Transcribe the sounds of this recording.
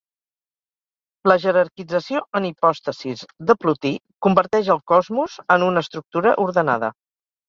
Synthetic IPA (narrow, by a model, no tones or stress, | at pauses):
ləʒəɾəɾkid͡zəsioənipɔst̪əsizðəplut̪i | kumbəɾt̪ɛʃəlˠkɔzmuzənunəːst̪ɾuk̚t̪uɾəʔuɾðəna̰ðə̰